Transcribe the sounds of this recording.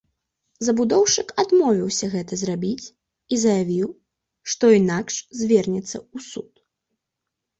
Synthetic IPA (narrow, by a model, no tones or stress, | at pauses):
zɐbud̪ɔwʂɨkad̪mɔvʲiwsʲɐɣɛt̪ɐzrabʲit͡sʲ | izɐjavʲiw | ʂt̪ɔinakʂzʲvʲɛrnʲɛt̪sːɐ̰usut̪